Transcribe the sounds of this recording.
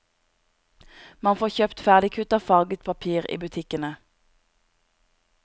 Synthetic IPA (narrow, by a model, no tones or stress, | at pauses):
mɑnfoːçøːpt̪fæːʁd̪ɪkʰʉt̪ɑfɑːɡət̪pʰɑpʰiːʁḭːbʉt̪ʰɪkənə